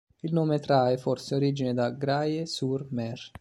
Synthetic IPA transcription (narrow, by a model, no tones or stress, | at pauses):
ilnoːmet̪ɾaefɔrseoɾiːd͡ʒined̪aɡɾajesurmɛr